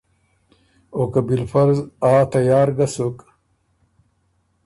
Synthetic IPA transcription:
okabilfɐɾzaːt̪ɐjaːɾɡasuk

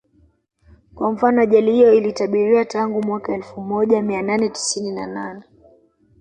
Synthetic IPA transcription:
kwam̩fanɔaʄalihijɔilitaɓiɾiwataŋɡumwakaɛlfumɔʄamiananɛti̥sininananɛ

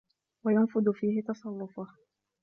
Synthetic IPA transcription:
wajanfʊd̪ʊfiːhɪt̪ɑsˤɑrˤːʊfa

